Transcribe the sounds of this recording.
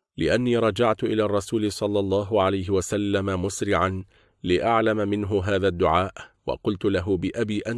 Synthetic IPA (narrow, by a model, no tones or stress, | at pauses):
lɪʔanːiːɾˤɑd͡ʒaʕt̪ʊʔɪlaːrˤːɑsuːlɪsˤɑlːɑlˤːɑːɦʊʕalajɦɪwasalːamamʊsɾɪʕan | lɪʔaʕlamamɪnɦʊɦaːðaːd̪ːʊʕaːʔwɑ̰qʊlt̪ʊlaɦʊbɪʔabiːʔan